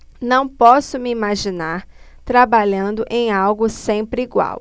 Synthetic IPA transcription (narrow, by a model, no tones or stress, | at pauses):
nɐ̃w̃pɔsʊmɪimaʒinaɾ | t̪ɾabaʎɐ̃nd̪ʊʔẽj̃awɡʊsẽpɾɪiɡwa̰w